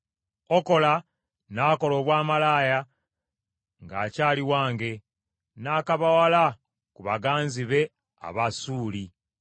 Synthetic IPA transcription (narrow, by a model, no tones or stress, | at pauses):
oko̞la | naːko̞lo̞ːβwaːmalaːja | ŋɡa̰ːcaːliwaːŋɡe̞ | naːkaβawala | kuβaɡaːnziβe̞ | a̰βasuːli